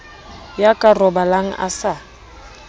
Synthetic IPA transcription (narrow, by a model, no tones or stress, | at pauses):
jakʼarɔbalaŋ̩ʔa̰sa